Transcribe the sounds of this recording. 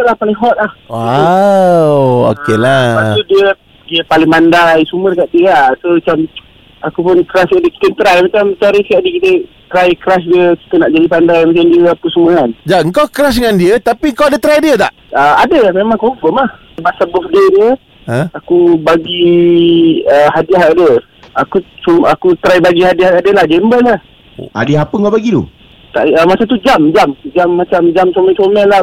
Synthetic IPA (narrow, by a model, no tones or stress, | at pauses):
əlahpalɪŋɦɔt̪̚lahwa | wo̰kelaat̪udiə | diəpalɪŋmandajsumərəkaʔ̪̚diəasomat͡ʃam | akupʊnkəɾaskaʔdiki̥t̪ənt̪ɾajmat͡ʃamt͡ʃaɾisaʔdikit̪ə | t̪ɾajkɾasdiəki̥t̪ənaʔd͡ʒadipandajmat͡ʃamdiəapusəmuəkand͡ʒaəŋkawkəɾas̬dəŋandiət̪apiəŋkawadət̪ɾajdiət̪a̰ʔəadəmemaŋkɔɱfɔmlah | basabɔfdediə | əakubaɡi | əhadiaɦadə | akusumakut̪ɾajbaɡihadiahadəlahd͡ʒɛmbəlah | a̰dəɦapəŋkawbaɡit̪ṵ | t̪a̰ʔəmasət̪ud͡ʒamd͡ʒamd͡ʒamːat͡ʃamd͡ʒamsomɛt͡ʃomɛla